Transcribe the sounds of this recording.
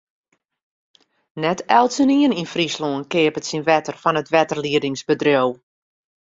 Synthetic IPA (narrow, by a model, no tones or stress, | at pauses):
nɛtɛlˠtsəniəninfrisloənkɪəpətsinʋɛtərfɔnətʋɛtərliədɪŋsbədrjow